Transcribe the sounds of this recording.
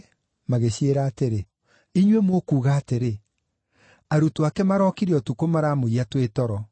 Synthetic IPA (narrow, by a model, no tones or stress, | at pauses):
maɣeɕeɾaːteɾe | iɲwemoːkuːɣaːteɾe | aɾutuakɛmaɾɔːkiɾeɔtukomaɾaːmoiatwetɔɾɔ